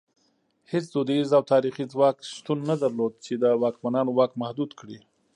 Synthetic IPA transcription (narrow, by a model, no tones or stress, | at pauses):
het͡sd̪od̪ezawt̪ʰɑɾixizwɑkʃt̪unːad̪aɾlod̪̚t͡ʃed̪əwɑkmanɑnowɑkmahd̪ud̪kɽi